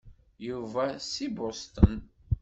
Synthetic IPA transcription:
juvæsibʊst̪ən

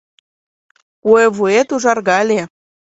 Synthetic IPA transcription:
ueβuet̪uʒɑrɣɑlʲe

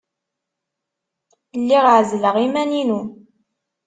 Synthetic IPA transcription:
lːiʁʕzləʁimæninu

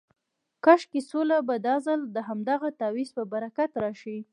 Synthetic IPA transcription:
kaʃkesolabad̪ɑzald̪əɦamd̪ɑɣat̪ɑwizpəbaɾakat̪ɾɑʃi

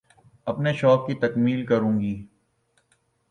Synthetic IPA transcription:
ɐpneʃɔːkːit̪ɐkmiːlkɐɾũːŋɡiː

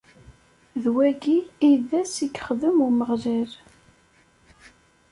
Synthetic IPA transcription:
ðwæɡiːðæsikːχəðəmuməʁʒæɾ

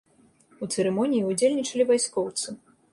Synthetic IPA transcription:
ut̪sɨɾɛmɔnʲijiud͡zʲelʲnʲit͡ʂɐlʲivajskɔwt̪sɨ

